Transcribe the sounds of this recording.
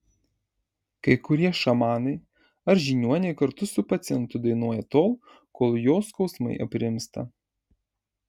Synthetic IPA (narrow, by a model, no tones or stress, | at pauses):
kɐɪkʊɾʲiɛʃɐmɑːnɐɪ | ɐɾʒʲinʲuɔnʲɛɪkɐɾt̪ʊsʊpɐt̪sʲɪjɛnt̪ʊd̪ɐɪnuɔjɛt̪oːlˠ | koːlˠjoːskɒʊsmɐ̰ɪʔɐ̰pʲɾʲɪɪmst̪ɐ̰